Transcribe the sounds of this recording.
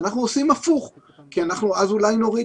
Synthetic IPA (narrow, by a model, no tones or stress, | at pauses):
naχnuosimafuχ | kianaχnuazulajno̞ʁi